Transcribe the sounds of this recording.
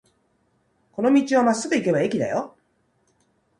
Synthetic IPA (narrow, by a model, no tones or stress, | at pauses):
ko̞no̞mʲit͡ɕiβamasɨt̪eike̞baekʲid̪a̰jo